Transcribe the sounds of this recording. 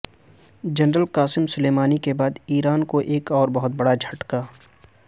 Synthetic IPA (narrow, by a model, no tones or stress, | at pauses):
d͡ʒɐnɾəlkaːsɪmsʊleːmaːnikebaːd̪iːɾaːnkoʔeːkɔːɾbɐɦʊt̪̚bɐɽad͡ʒʱɐʈkaː